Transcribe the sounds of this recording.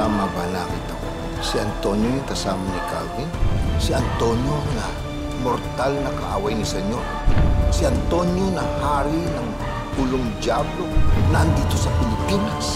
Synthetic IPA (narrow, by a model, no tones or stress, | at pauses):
amabanakit̪ɐko̰ | siɐnt̪o̞ɲjoniŋk̪ɐsaːmɐnikavinsiɐnt̪o̞ɲjonɐ | moɾt̪alnɐkɐʔaːwajnisɛɲo | siɐnt̪o̞ɲjonɐhaːɾinɐŋ | puloŋd͡ʒjablonɐʔnd̪iːt̪o̞sɐpɪlɪpinas